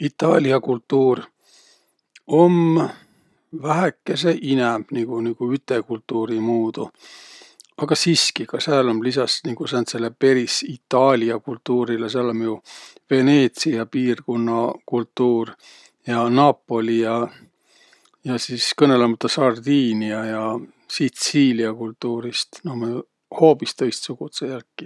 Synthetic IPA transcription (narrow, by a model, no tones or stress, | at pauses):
it̪ˑːɑːlʲiɑkult̪ːuːr | o̞m | væɦekːˑe̞se̞ʔinɛmb̥niɡ̥uniɡ̥uyt̪ːe̞kult̪ːˑuːɾimuːd̪̥u | ɑɡ̥ɑsiːskikɑsɑːlomlisɑsniɡ̥usɑnt̪se̞lːe̞pe̞ɾisit̪ːˑɑːlʲiɑkult̪ːuːɾiles̬eɑlomju | ve̞ne̞ːt̪siɑpiːrkonːɑkult̪ːˑuːr | jɑnɑːpːˑo̞lʲijɑ | jɑsiskɤne̞lemɑt̪ːˑɑsɑrd̪iːniɑjɑ | sit̪siːliɑkult̪ːuːɾist̪nome | ho̞ːpist̪ɤ̞jst̪suɡ̥ut̪sejælkːi